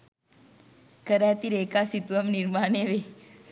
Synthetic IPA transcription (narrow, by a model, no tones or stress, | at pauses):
kəɾat̪iɾekasit̪ʋəmniɾmaneʋe